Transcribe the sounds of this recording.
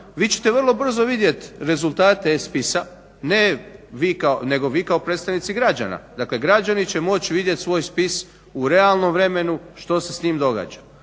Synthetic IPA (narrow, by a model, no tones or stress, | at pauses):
ʋiːt͡ɕe̥t̪eʋərlˠo̞br̩zo̞ʋid̪je̞t̪ɾe̞zulˠt̪aːt̪e̞spisa | ne̞ʋiːkaone̞ɡo̞ʋiːkaopɾet̪st̪aʋnit̪siɡɾad͡ʑa̰na̰d̪akle̞ɡɾad͡ʒanit͡ɕe̞mo̞t͡ɕiʋid̪je̞t̪sʋo̞ːjspis | uɾe̞alˠno̞mʋɾe̞me̞nuʃt̪o̞se̞sniːmd̪o̞ɡa̰ːd͡ʒa